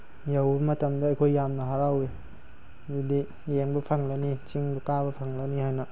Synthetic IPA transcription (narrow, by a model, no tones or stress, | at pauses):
jawbɐmɐtɐmdɐːjkʰojːamnɐɦaɾawe | zidi | jeŋbɐpʰɐŋlɐnit͡ʃiŋbɐkabɐpʰɐŋlɐnihajnɐ